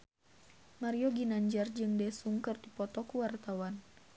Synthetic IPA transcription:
maɾiɔɡinaɲd͡ʒard͡ʒɨŋdɛsuŋkɨrdipɔt̪ɔkuwart̪awan

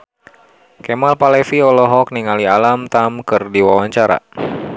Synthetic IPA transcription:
kɛmalpalɛfiɔlɔɦɔk̚niŋalialamt̪amkɨrdiwawaɲt͡ʃaɾa̰

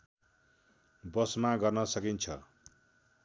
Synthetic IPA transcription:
bʌsmaɡʌrnʌsʌkint͡sʰʌ

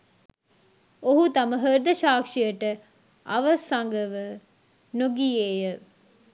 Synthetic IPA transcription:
oɦut̪ɐməɦəɾd̪əʃaːkʂijəʈə | ɐʋɐsaŋɡəʋə | noɡijeːjə

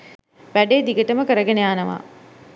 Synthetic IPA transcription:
ʋæɖeːd̪iɡəʈəməkəɾəɡenejaːnəʋa̰ː

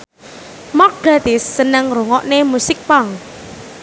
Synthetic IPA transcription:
mɔr̚ɡ̥at̪ɪsːənəŋroŋɔʔnemusɪk̚paŋ

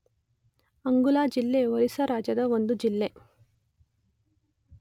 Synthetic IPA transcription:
ɐŋɡulaːd͡ʒilːeʋɐɾisɐɾaːd͡ʒjɐd̪ɐond̪ud͡ʒilːe

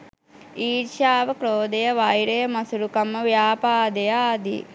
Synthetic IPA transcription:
iːɾʃaːʋɐkɾoːd̪ɐjɐʋaːjɽɐjɐmɐsuɾukɐmːɐʋjaːpaːd̪ɐjɐaːd̪ḭ

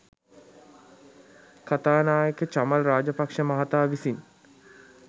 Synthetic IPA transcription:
kat̪aːnaːjəkət͡ʃaməlraːd͡ʒəpakʂəmaɦat̪aːʋisin

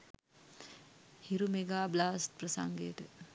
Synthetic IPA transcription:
hiɾumeɡaːblaːst̚prəsa̰ŋɡejəʈə

